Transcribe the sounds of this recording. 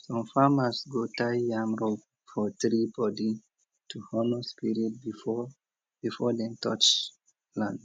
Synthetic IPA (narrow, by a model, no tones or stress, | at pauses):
sɔ̃mfamasɡotajjãmɹo | fɔtɹibɔdi | tʰuhɔnɔspiɹid̚bifɔ | b̥ifɔdɛ̃ntʰɔ̰t͡ʃ | lãnd